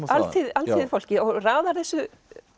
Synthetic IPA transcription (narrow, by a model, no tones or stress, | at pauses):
alt̪ʰiðalt̪ʰiðfowl̥cɪɔɣraːðaɾθɛsːʏ